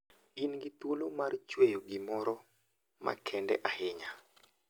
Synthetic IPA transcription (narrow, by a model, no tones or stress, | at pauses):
inɡɪt̪olomart͡ʃwejoɡɪmɔɾɔ | ma̰kʰɛndɛ̰ʔahɪɲa